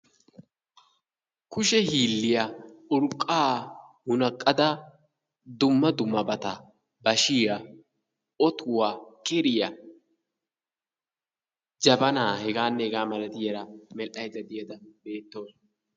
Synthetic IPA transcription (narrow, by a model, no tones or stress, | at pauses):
kʊʃɛhiːlːɪjɐʊɾkʼːaːhʊnɐkʼːɐd̪ɐ | d̪ʊmːɐd̪ʊmːɐbɐt̪ɐ | bɐʃɪjɐ | ɔt̪ʰʊwaːkʼɛɾɪjɐ | d͡ʒɐbɐnaːhɛɡaːnːɛɡaːmɐlɐd̪ɪjɐɾɐmɛlʔɐjzɐd̪ɪjɐd̪ɐbe̞ːt̪ːoːs